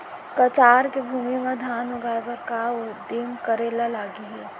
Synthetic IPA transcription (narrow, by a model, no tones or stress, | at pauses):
kɐt͡ʃaːɾkebʱuːmimẽd̪ʱaːnʊɡaːɡəɾkaʊd̪eːmkəɾeːlalaːɡiɦɛː